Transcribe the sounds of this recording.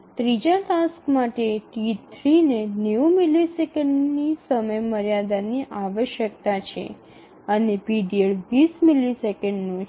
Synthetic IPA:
t̪ɾid͡ʒaʈaskmaʈeʈit̪ʰɾinenjumilisekə̃ɳɖnisəməjməɾjad̪aniʔaʋəʃjək̚t̪at͡ʃʰḛ | ənepiɖieɭʋismilisekəɳɖnũ

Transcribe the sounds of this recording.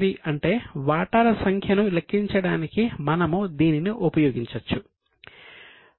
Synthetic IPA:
d̪iʔɐɳʈe̞ːʋaːʈaːɾɐsɐŋkʰjɐnulekʰːiɲt͡ʃɐɽaːnikimɐnɐmud̪iːniniʔupɐjoːɡiɲt͡ʃɐt͡ʃːu

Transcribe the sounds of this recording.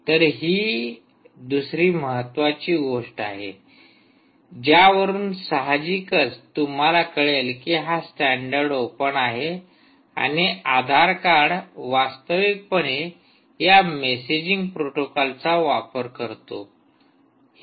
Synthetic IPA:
t̪əɾɦiː | d̪usɾiːməɦət̪ːʋat͡ɕiːɡoʂʈaɦḛ | d͡ʑjaʋəɾuːnsəɦad͡ʑikət͡st̪um̤alakəɭelkiɦasʈæɳɖəɾɖopəɳaɦe | a̰ñiad̪ʱaɾkaɽʋast̪əʋik̚pəɽ̃e | jamesed͡ʑiŋɡ̚pɾoʈokɔlt͡saʋapəɾkəɾt̪o̰

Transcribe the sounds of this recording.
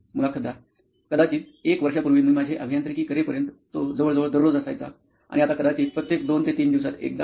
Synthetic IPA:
mulakʰəd̪a | kəd̪at͡ɕiːt͡sekʋəɾʂapuɾʋiːməmad͡ʑʱeʔəbʱijant̪ɾekiːkəɾepəɾjənt̪ːod͡zəʋəɭd͡zəʋəɭd̪əɾɾod͡zəsajt͡sa̰ | a̰ɽiat̪akəd̪at͡ɕiːt͡spɾət̪jek̚d̪ont̪et̪iːnd̪iʋs̬at̪ḛk̚d̪a

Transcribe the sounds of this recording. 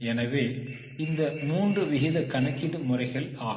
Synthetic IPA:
ɛnɐʋeː | ɪnd̪ɐmuːndrɯʋɪɣɪðɐkɐɳɐkːɪðɯmʊrɐɪɣɐɭaː

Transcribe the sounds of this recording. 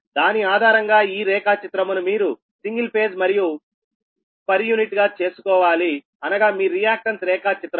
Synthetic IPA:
d̪aːniaːd̪ʱaːɾɐŋɡaːiːɾɛːkaːt͡ʃit̪ɾɐmunumiːɾu | siŋɡilpe̞ːd͡ʒmɐɾiju | pɐɾjuːniʈɡaːt͡ʃe̞ːsu̥kɔːʋaːli | ɐnɐɡaːmiːɾijaːk̚ʈɐnsɾɛːkaːt͡ʃit̪ɾɐ

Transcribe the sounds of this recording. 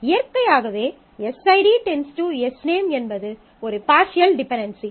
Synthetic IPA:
ɪjɐɾkɐjaːɣɐʋeː | ɛsɐɪɖiʈɛnsʈuɛsneːmɛnbɐðɯ | ɔɾɯpaːɾʃɪjɐlɖɪpɛɳɖɐnsi

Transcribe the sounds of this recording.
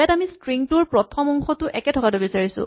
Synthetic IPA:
jatamistɹiŋtʊɹpɹɔtʰɔmɔŋxɔtʊʔɛkɛtʰɔkatʊbisaɹisʊ̰̃

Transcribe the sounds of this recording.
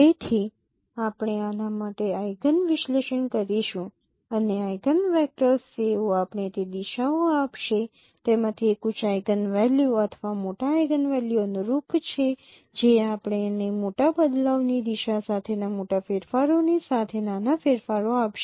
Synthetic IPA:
et̪ʰi | apɳ̃eanamaʈeajɡənʋɪʃleʃəɳkəɾiʃũ | əneajɡənʋɛk̚ʈəɾseoapɳ̃et̪ed̪iʃaoapʃe | t̪emãt̪ʰiekut͡ʃʰajɡənʋɛljuət̪ʰʋamoʈaːjɡənʋɛljuənuɾupt͡ʃʰe | d͡ʒeapɳ̃enemoʈabəd̪laʋnid̪iʃasat̪ʰenamoʈafeɾfaɾonisat̪ʰenanafeɾfaɾoapʃe

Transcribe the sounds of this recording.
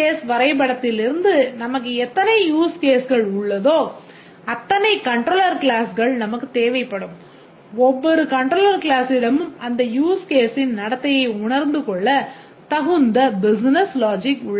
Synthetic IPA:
eːsʋɐɾɐɪpɐɽɐt̪ːɪlɪɾɯnd̪ɯnɐmɐk̬ːɯɛt̪ːɐnɐɪjuːskeːsɣɐɭʊɭːɐðoː | ɐt̪ːɐnɐɪkɐɳʈɾoːlɐɾkɭaːsɣɐɭnɐmɐkːɯt̪eːʋɐɪpːɐɽɯm | ɔʋːɔɾɯkɐɳʈɾoːlɐɾkɭaːsɪɽɐmɯmɐnd̪ɐjuːskeːsɪnnɐɽɐt̪ːɐjɐɪʊɳɐɾnd̪ɯkɔɭːɐ | t̪ɐɣɯnd̪ɐbɪsnɐslaːd͡ʒɪkʊɭːɐ

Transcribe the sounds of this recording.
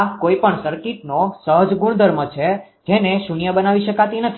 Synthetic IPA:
koipəɳsəɾkit̪nosəɦəd͡ʒɡuɳ̃d̪ʱəɾmət͡ʃʰed͡ʒeneʃunijəbənaʋiʃəkat̪inət̪ʰ

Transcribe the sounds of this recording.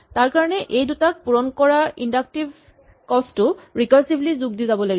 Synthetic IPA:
taɹkaɹɔnɛʔejdutak̚puɹɔnkɔɹaɹindak̚tibʱ | kɔstʊɹikɔɹsiblizuɡ̚dizabɔlaɡiɔ

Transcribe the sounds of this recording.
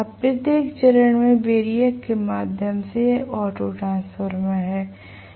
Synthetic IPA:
ɐpɾɪd̪eːkt͡ʃəɾəɳ̃mẽbeːɾijəkːemaːd̪ʱjəmseɔːʈoʈɾãːnspʰəɾmẽɦɛː

